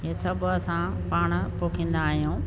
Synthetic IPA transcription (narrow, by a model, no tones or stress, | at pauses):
ɦeːsɐbʱʊɐsã | paːɽ̃̆poːkʰĩːn̆d̪aːɦijũː